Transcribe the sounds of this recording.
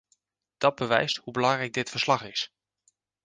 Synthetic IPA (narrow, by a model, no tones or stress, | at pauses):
d̥ɑd̚bəʋɛ̰jsthubəlɑŋrɛjɡ̚dɪtfəɹslɑχɪs